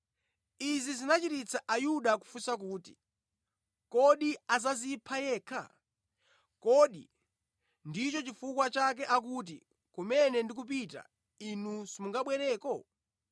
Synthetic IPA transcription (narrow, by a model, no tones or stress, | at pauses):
izizinat͡ʃitit͡saʔajuɗaku̥fusak̬uːti̥̰ | kɔɗiazazipʰajɛːkʰa̰ | kɔɗi | ndit͡ʃɔt͡ʃifukwat͡ʃak̬ɛʔak̬ut̬ḭ | kumɛnɛndikup̬ita̰ | inuzimuŋɡaɓwɛɾɛːkɔ